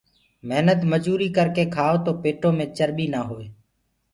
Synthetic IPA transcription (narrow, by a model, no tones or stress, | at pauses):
məɦnət̪məd͡ʒuːɾiːkəɾkeːkʰaːʋot̪oːpeːʈoːmẽːt͡ʃəɾɓiːnaːɦoːeː